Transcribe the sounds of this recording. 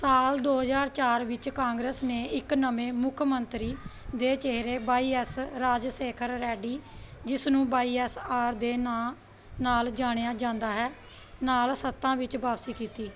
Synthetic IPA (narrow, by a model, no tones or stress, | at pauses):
saːld̪oːɦəzaːɾt͡ʃaːɾʋɪt͡ʃkãːŋɡɾeːsneːɪknəʋẽːmʊkʰmənt̪ɾiːd̪eːt͡ʃeɦɾeːbaːiːɛːsɾaːd͡ʒseːkʰəɾːɛːɖiːd͡ʒɪsnũːbaːiːɛːsaːɾd̪eːnãː | naːld͡ʒaːɽ̃ejãːd͡ʒãːnd̪aːɦɛː | naːlsət̪ːãːʋɪt͡ʃʋaːbsiːkiːt̪iː